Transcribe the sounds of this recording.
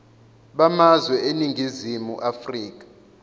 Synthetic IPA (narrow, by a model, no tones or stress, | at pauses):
ɓamazwɛeniŋɡʱizimuʔafriːkḁ